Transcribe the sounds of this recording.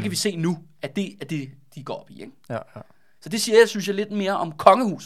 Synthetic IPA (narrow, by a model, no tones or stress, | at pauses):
ekʰæʋise̝̰ːnu | æd̥e̝æɐd̥e̝d̥iɡ̥ɒ̰ːɒb̥ieɡ̥ | sɒ̽d̥e̝siːɐjäɪsynsjɑɪle̝d̥me̝ːɐʔɒ̽mkʰɒ̽ŋəhṵːs